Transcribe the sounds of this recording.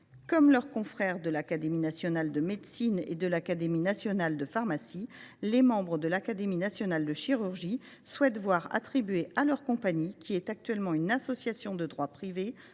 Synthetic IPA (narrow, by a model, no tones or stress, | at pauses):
kɔmlœʁkɔ̃fχɛʁd̪əlakad̪eminasjɔnald̪əmed̪sinḛd̪əlakad̪eminasjɔnald̪əfaʁmasilemɑ̃bʁəd̪əlakad̪eminasjɔnald̪əʃiʁyʁʒi | swɛt̪vwaʁa̰t̪χibɥealœʁkɔ̃paɲikʲʰiɛt̪ak̚t̪ɥɛlmɑ̃ynasɔsjasjɔ̃d̪əd̪ʁwapχive